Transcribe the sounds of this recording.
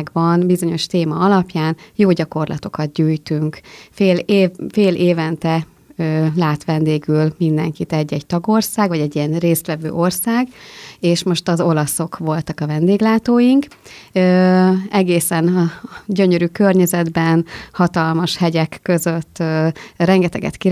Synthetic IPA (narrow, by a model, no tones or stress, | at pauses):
ɡbɒnbizo̞ɲo̞ʃt̪eːmɒɒlɒpjaːnjoːɟɒko̞rlɒ̰t̪o̞kɒd̪̚ɟyːjt̪yŋkfeːlːfeːlʔeːvɛnt̪ɛ | øːlaːt̪ʋɛnd̪eːɡylmind̪ɛŋkit̪ɛɟːɛɟt̪ɒɡo̞rsaːɡʋɒɟɛɟijɛnreːst̪ʋɛvø̰ːʔo̞rsaːɡeːʃmo̞ʃt̪ɒzo̞lɒso̞kʋo̞lt̪ɒkɒvɛnd̪eːɡlaːt̪oːjiŋkøːɛɡeːsɛnɒɟø̞ɲøɾykø̞rɲɛzɛd̪bɛnhɒt̪ɒlmɒʃhɛɟɛkːø̞zø̞t̪ːørɛŋɡɛt̪ɛɡɛ̰t̪ki